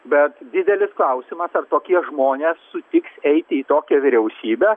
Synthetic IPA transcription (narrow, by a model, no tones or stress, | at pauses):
bʲɛt̪d̪ʲɪd̪ʲɛlʲɪsklˠɐʊsʲɪmɐsɐrt̪oːkʲiɛʒmoːnʲeːsːʊt̪ʲɪksɛɪt̪ʲɪiːt̪oːkʲɛʋʲɪɾʲɛʊsʲiːbʲɛ